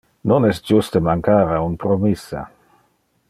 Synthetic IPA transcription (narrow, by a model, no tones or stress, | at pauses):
nonɛstd͡ʒust̪emaŋkaːɾaunpɾomisːa̰